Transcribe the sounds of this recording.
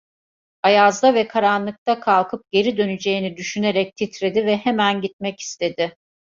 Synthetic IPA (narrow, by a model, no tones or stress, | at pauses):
ajazd̪avɛkʰaɾanlˠɯk̚t̪ʰakʰalˠkʰɯp̚ɟe̞ɾid̪ø̞nyd͡ʒe̞jinid̪yʃyne̞ɾɛc̚t̪ʰit̪ɾe̞d̪ivɛhemænɟit̪̚mɛci̥st̪ʰe̞d̪ɪ